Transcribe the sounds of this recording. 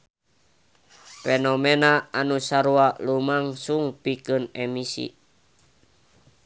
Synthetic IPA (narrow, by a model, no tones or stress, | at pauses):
fenɔmenaanusaɾuaʔlumaŋsuŋpikɨnɛmisḭ